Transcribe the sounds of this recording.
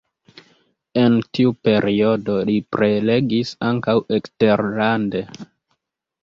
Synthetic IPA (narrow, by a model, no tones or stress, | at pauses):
e̞ntiupe̞ɾʔio̞do̞lipɾe̞le̞ɡisaŋkawʔe̞kste̞ɾlande̞